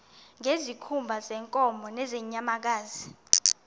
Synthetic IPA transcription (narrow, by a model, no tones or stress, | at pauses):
ŋezikʰumbʱazɛŋkʼɔmʱɔnɛzɛɲamak̬aːzi